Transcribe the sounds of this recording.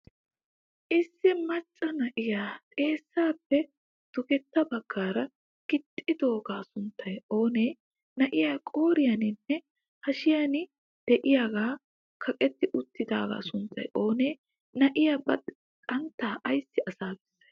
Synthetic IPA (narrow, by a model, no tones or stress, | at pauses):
ʔɪsːɪmɐt͡ʃʼːɐnɐʔɪjaːt̪ʼe̞ːsːaːpːɛ | d̪̥ʊɡɛt̪ːɐbɐɡːaːɾɐ | ɡ̥ɪt̪ʼːɪd̪o̞ːɡaːsʊnt̪ʰːɐjo̞ːneː | nɐʔɪjaːkʼo̞ːɾɪjɐnɪnːɛ | hɐʃɪjanɪ | d̪̥ɛʔɪjaːɡaː | kʰɐkʼɛt̪ːɪʔʊt̪ːɪd̪aːɡa̰ːsʊnt̪ːɐjʔo̞ːneː | nɐʔɪjaːbɐtɛ | kʼɐnt̪ːaːʔɐjsːɪʔɐsaːbɛsːɐ̥j